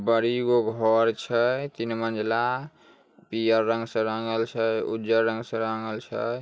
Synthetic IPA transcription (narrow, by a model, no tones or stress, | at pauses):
bəɾiɡoɡʱɔɾt͡ʃʰət̪inmənd͡ʒla | pijəɾːə̃ŋɡsə̃ɾəŋɡəlt͡ʃʰəud͡ʒəɾːə̃ŋɡsə̃ɾəŋɡəlt͡ʃʰə̰